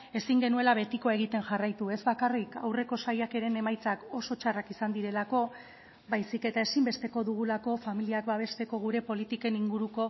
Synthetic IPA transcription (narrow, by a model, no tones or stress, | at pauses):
e̞siŋɡe̞nue̞laβe̞t̪ikoe̞ɣ̞it̪e̞nʝarajt̪ue̞zβakarika̰wre̞ko̞sajake̞ɾe̞ne̞majt͡sako̞so̞t͡ʃarakisand̪iɾe̞lako̞ | bajsike̞t̪ae̞simbe̞st̪e̞ko̞ðuɣ̞ulako̞familiakbaβ̞e̞st̪e̞ko̞ɣ̞uɾe̞po̞lit̪ike̞niŋɡuɾuko̞